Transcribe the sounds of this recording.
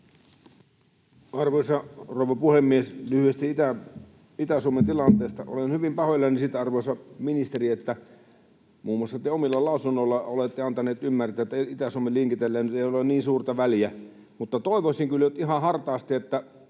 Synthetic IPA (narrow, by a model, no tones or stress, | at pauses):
ɑrʋoisɑrouʋɑpuhemːieslyhyest̪it̪æ | it̪æsuoment̪ilɑnt̪eˑːst̪ɑʔo̰lenhyʋimpɑhojlɑnisit̪ɑrʋosɑminist̪eriet̪ːæ | muːmːuɑsːɑt̪eomilːɑlɑˑusunːolːɑolet̪ːeɑnt̪ɑneːt̪ymːært̪æːet̪ːˑæit̪æsuomːelliŋkit̪elːeːnyt̪eiolenniːnsuːrt̪ɑʋæljæ | mut̪ːɑt̪oˑiʋosʲiŋkylːøt̪iɦɑhɑrt̪ɑːst̪iet̪ːæ